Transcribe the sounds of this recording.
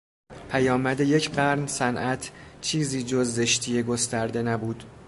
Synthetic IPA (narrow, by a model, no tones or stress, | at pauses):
pʰæjɒːmæd̪e̞je̞cʰɢæɾnsænʔæt̪ʰt͡ʃʰiːziːd͡ʒozːe̞ʃt̪ʰije̞ɡost̪æɾd̪e̞næbuːd̪̥